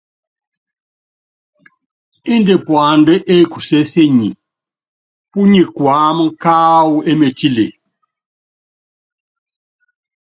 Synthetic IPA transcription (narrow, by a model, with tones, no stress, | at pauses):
i˦nde˨pwa˨ndɛ˦ʔe˦˨ku˨se˦se˦ɲi˨ | pu˦ɲi˨kwaː˨˦m˦kaː˦wu˨e˦me˨ti˦lḛ˨